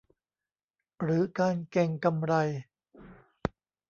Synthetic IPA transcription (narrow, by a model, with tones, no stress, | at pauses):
ɾɯː˩˦kaː˧nkɛ˧˩ŋka˧mɾa˧j